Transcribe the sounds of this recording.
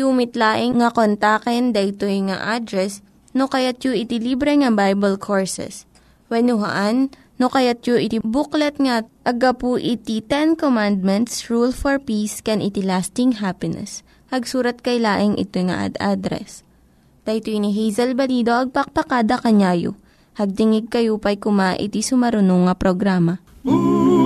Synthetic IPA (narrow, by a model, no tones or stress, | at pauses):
umɪt̪laːʔɪŋŋɐkont̪akɛnd̪ɐjt̪ojŋa̰ʔad̪ɾɛs | nokɐjat̪̚joʔɪt̪ɪlibɾɛŋɐbajbɐlkʰoɹsɛ̰s | wɛnʊɦɐ̰ʔanː | okɐjat̪̚joʔɪt̪ibʊklɐt̪̚ŋɐʔɐɡɐpuʔɪt̪it̪ɛnkomand̪̚mɛnt̪sɹulfɔɹpiːskɛnʔɪt̪ilast̪ɪŋɦapɪnɛ̰s | hɐɡsuːɾɐt̪̚kɐjlaːʔɪŋʔɪ̰t̪ojŋɐ̰ʔɐ̰d̪ad̪ɾɛ̰s | t̪ɐjt̪oɪniɦijzɐlbɐliːd̪o̞ʔɐɡ̚pɐk̚pɐkaːd̪ɐkɐɲaːjo̰ | hɐɡ̚t̪ɪŋɪɡ̚kɐjupɐjkʊmaʔɪ̰t̪isʊmɐɾʊnoŋːɐpɾoɡɾaːmɐ